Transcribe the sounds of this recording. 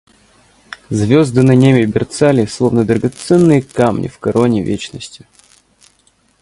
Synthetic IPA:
zvʲozd̪ɨnɐnʲemʲɪbʲɪrt̪salʲɪslˠovnəd̪ɾəɡɐt̪sɛnːɨjəkamnʲʔɪ̰fkɐɾʔonʲɪvʲet͡ɕnəsʲtʲɪ̥

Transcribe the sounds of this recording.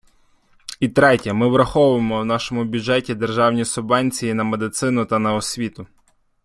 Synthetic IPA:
it̪ɾɛtʲɐmɪʋɾɐxɔʋʊjemɔwn̪ɑʃɔmʊbʲjʊʒɛtʲid̪erʒɑwnʲisʊbɑnʲt͡sʲijinɐmed̪ɪt̪sɪnʊt̪ɐnɐɔsʲʋʲit̪ʊ

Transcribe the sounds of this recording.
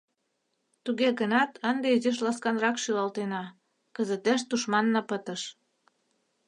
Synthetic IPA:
t̪uɣeɣənɑt̪ʰənd̪eizeʃ̬lɑskɑnrɑkʃylɑlt̪enɑ | kəzət̪eʃt̪uʃmɑnːɑpət̪əʃ

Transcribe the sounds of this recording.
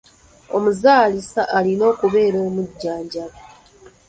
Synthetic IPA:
o̞muzaːlisaʔalino̞ːkuβe̞ːɾoːmuɟːaːɲɟaβa

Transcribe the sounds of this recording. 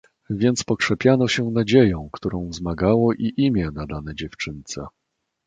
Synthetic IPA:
vʲjɛnt̪spɔkʂɛpʲjanɔɕɛnad͡ʑejɔ̃w̃kt̪uɾɔ̃w̃vzmaɡawɔʔiʔimʲjɛnad̪anɛd͡ʑɛft͡ʂɘnt̪sɛ

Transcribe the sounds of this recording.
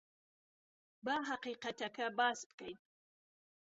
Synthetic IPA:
baɦaqiːqat̪ɐkʰɐbaːsbkɐjn

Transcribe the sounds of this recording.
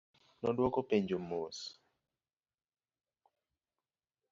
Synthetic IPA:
nɔdwɔkopeɲd͡ʒomos

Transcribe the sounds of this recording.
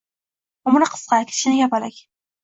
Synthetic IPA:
ʊmɾɨqʰə̥sqɑkʲʰɪ̥ʃɪnɪjɑpalɪkʲ

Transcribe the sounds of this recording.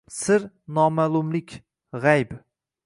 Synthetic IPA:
sɪɾ | nɒmalˠʊmlɪkʲ | ʁajb

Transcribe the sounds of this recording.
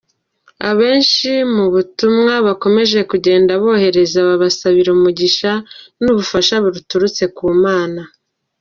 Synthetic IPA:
aβe̞ːnʃimuβutumŋaβako̞me̞ʒe̞kuɟe̞ːndaβo̞ːhe̞ɾe̞zaβaβasaβiɾumuɟiʃanuβufaʃaβuɾutuɾut͡se̞kuːmaːna

